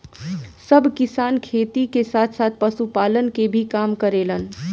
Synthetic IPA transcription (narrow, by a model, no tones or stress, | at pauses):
səbʱkɪsaːnkʰeːt̪ikesaːt̪ʰsaːt̪̚ʰpəsupaːlənkebʱikaːmkəɾelən